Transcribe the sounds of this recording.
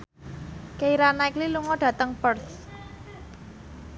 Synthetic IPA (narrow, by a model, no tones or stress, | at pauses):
keiɾanaikliluŋɔɖ̥ä̤t̪əŋpərs